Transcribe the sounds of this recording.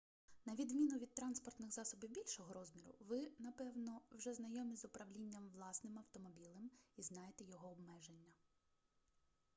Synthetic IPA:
nɐʋʲid̪mʲinʊʋʲid̪̚t̪ɾɑnspɔrt̪nɪxzɑsɔbɪwbʲilʲʃɔɦɔɾɔzmʲiɾʊ̰ʋɪnɐpɛwnɔwʒɛznɐjɔmʲizʊpɾɐʋlʲinʲːɐmʋlˠɑsnɪmɐwt̪ɔmɔbʲilˠɐmiznɑjet̪ɛjɔɦɔːbmɛʒenʲːɐ

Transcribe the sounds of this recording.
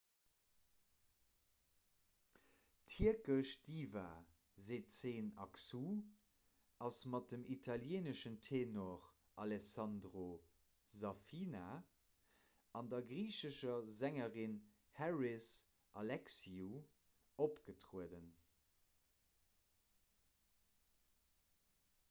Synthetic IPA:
tʰiəkəʃd̥iːva̰ | zeːtt͡seːnɑksu | ɑsmɑt̚dəmitʰɑljeːnəʃəntʰeːnoʁ | ɑlɛsɑndʁo | zɑfina | ɑndɐɡʁiːɕəʃɐzæŋəʁin | hɛɹis | ʔɑlɛksiu | opɡ̥ətʁuədən

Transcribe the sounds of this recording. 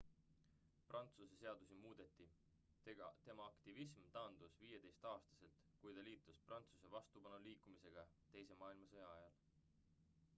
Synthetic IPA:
prɑnt̪suse̞se̞ɑd̪̥usimuːd̪̥e̞t̪ːˑi | t̪e̞mɑɑkt̪ivismt̪ɑːnd̪̥usviːje̞d̪e̞jst̪ɑːst̪ɑ̥se̞lt̪ | kujt̪ɑliːt̪ːˑusprʔɑnt̪suse̞vɑst̪upɑnuliːkˑːumise̞ɡ̥ɑt̪e̞jse̞mɑːilmɑsɤjɑɑjɑl

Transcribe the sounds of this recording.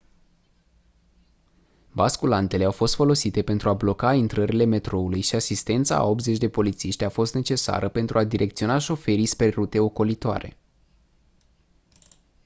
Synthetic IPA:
baskulant̪e̞le̞awfo̞st̪fo̞lo̞sit̪e̞pe̞nt̪ɾuablo̞kaint̪ɾəɾile̞me̞t̪ɾo̞ulujʃiasist̪e̞nt̪sa̰a̰o̞p̚t̪ze̞t͡ʃʲd̪e̞po̞lit̪siʃt̪ʲafo̞st̪ne̞t͡ʃe̞sa̰ɾəpe̞nt̪ɾuad̪iɾʔe̞kt̪sio̞naʃo̞fe̞ɾijsperut̪e̞o̞ko̞lit̪oa̰ɾe̞̰

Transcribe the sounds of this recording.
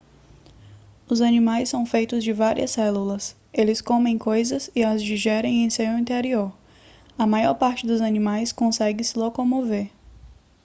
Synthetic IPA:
ʊzɐnĩmajsːɐ̃w̃fejt̪ʊzd͡ʒɪvaɾḭɐ̰sɛlulɐs | elɪskõmẽj̃kojzɐsɪɐzd͡ʒiʒɛɾẽj̃ẽj̃sewĩnt̪eɾioɾ | ɐmajɔɾpaɾt͡ʃɪd̪ʊzɐnĩmajskõsɛɡɪsɪlokomoveɾ

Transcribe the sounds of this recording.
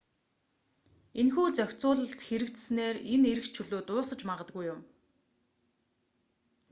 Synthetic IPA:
enxuːt͡sœkʲt͡sʊːɮə̆ɬt̪xeɾɘ̆kt̪sneːreneɾɘ̆kt͡ɕʰɵɮoːt̪ʊːsə̆t͡ɕmaʁə̆t̪̚ɡujːʊm

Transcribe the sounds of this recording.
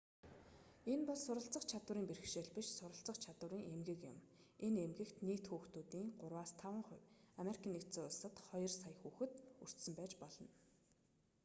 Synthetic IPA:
enpɔssʊɾə̆ɬt͡sə̆χt͡ɕʰat̪wə̆ɾiːŋperɘ̆xʃeːɮpiʃsʊɾə̆ɬt͡sə̆χt͡ɕʰat̪wə̆ɾiːŋemɡɘ̆kjʊ̰m | enemɡɘ̆kt̪niːt̪xuːxt̪uːt̪iːŋɢʊrwaːst̪ʰawə̆ɴχʊwʲameɾikʰiːnːek̪t͡seːʊɮsə̆t̪χɔjɞ̆rsajxuːxɘ̆t̪ur̥t̪sə̆mpæːt͡ɕpɔɮɞ̆n

